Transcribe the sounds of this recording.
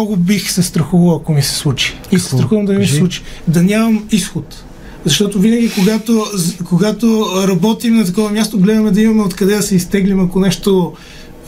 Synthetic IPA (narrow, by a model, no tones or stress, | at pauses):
ɔɡʊbixsɛst̪ɾɐxuvɐlˠɐkomisɛ̥slˠut͡ʃi̥ | isɛ̥st̪ɾɐxuvɐmd̪ɐnɛmisɛslˠut͡ʃi̥d̪ɐnʲamɐmisxot̪ | zɐʃt̪ɔt̪ovinɐɡʲikoɡat̪okoɡat̪oɾɐbɔt̪imnɐt̪ɐkɔvɐmʲjast̪oɡlɛd̪ɐmɛd̪ɐimɐmɛot̪kɐd̪ɛd̪ɐsɛist̪ɛɡlimɐkonɛʃt̪o